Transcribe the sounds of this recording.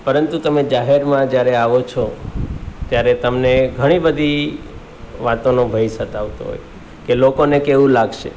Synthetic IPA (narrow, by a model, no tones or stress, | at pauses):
pəɾənt̪ut̪əmed͡ʒaɦeɾmãd͡ʒjaɾeaʋot͡ʃʰo | t̪jaɾet̪əmneɡʱəɽ̃ibəd̪ʱi | ʋat̪onobʱəjsət̪aʋt̪o̰ɦo̰j | kelokonekeʋũlaɡʃḛ